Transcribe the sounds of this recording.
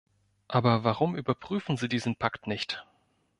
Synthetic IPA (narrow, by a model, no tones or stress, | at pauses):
ʔaːbɐvaʁʊmʔyːbɐpʁ̥yːfn̩ziːdiːzn̩pʰaktnɪçt